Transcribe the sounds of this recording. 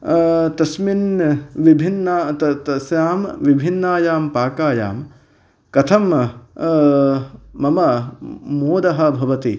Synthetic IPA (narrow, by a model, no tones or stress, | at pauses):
t̪ɐsminʋibʱinːat̪ɐt̪ɐsjaːmʋibʱinːaːjaːmpaːkaːja̰ːm | kɐt̪ʰɐm | mɐmɐmoːd̪ɐɦɐ̆bʱɐʋɐt̪i